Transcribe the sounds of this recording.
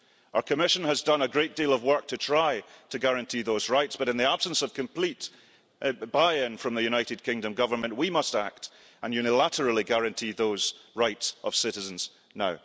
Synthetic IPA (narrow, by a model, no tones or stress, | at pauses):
aʊə˞kʰəmɪʃə̃nəzdʌ̃nəɡɹeʔ̚d̥ilˠʌvwɜ˞k̚tʰətʰɹ̥aɪtʰɨɡaɹə̃ntʰiðozɹaɪtsb̥ʌɾɨ̃nðiab̥sə̃nsʌv̥kʰə̃mpʰl̥ˠiʔ | b̥aɪə̃nfɹʌ̃mðɨjʉñaɪʔɪd̚kʰɪ̃ŋdə̃mɡʌvə˞mə̃nʔwimʌstak̚t | ə̃njʉnɪlˠaʔə˞əl̩ˠiɡaɹɨ̃ntʰiðoz̥ɹaɪtsʔə̰v̥sɪʔɪzə̃nz̥ | naʊ